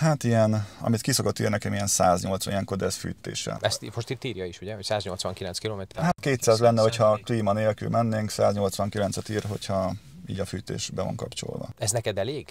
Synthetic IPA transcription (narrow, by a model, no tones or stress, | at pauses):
hat̪ijɛnɒ̰mit̪kiso̞ko̞t̪ːḭːrnɛkɛmijɛnsaːzɲo̞lt̪sʋɒ̰nijɛŋko̞d̪ɛsfy̰ːt̪ːḛːʃɛ̰ɛst̪imoʃt̪it̪ːiːɾjɒiʃuɟɛocsaːzɲo̞lt̪sʋɒŋkilɛnskiloːmeːt̪ɛɾɦat̪keːt̪saːzlɛnːɛho̞cʰhɒkliːmɒneːlky̰lmɛnːeːŋksa̰ːzɲo̞lt̪sʋɒŋkilɛnt̪sɛt̪iːrɦo̞̰chɒ | iːɟɒfyːt̪ḛːʃbɛvɒ̰ŋkɒ̰pt͡ʃo̞̰lvɒ̰ɛznɛkɛd̪ɛleːɡ